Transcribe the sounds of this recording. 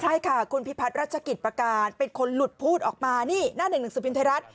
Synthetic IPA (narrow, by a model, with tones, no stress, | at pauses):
kʰɾa˦˧˥jkʰa˥˩kʰu˧npʰi˦˥pʰa˦t̪̚ɾaː˥˩t̪̚t͡ɕʰa˧ki˨˩pɾa˧kaː˧npe˧nkʰo˧nlu˨˩t̪̚pʰuː˥˩t̪̚ʔɔː˨˩k̚maː˧niː˥˩naː˥˩nɯ˨˩ŋnɯ˨˩ŋsɯː˨˩pʰi˧nt̪a˧˥ɾa˦˥t̪̚